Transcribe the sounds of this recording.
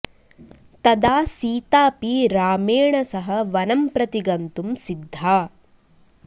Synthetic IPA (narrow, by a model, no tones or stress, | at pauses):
t̪ɐd̪aːsiːt̪aːpiɾaːmeːɳɐsɐɦɐʋɐnɐmpɾɐt̪iɡɐnt̪umsid̪ʱːaː